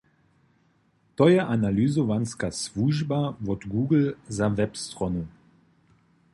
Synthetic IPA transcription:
t̪ɔjɛʔanalyzɔvanskasvuʒbavɔd̪ɡuːɡl̩zavɛpst̪rɔnu

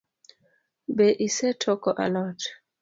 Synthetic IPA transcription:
beʔisɛtʰɔkɔʔa̰lɔt

